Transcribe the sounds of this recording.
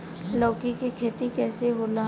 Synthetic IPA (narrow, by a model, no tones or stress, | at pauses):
lɔːkikikʰeːt̪ikɛːseɦoːna